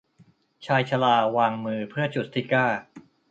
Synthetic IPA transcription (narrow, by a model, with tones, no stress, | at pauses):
t͡ɕʰaː˧jt͡ɕʰa˧laː˧˩waː˧ŋmɯː˧pʰɯ˥˩ɐt͡ɕu˨˩t̪ʰːiː˦˥˩kaː˥˩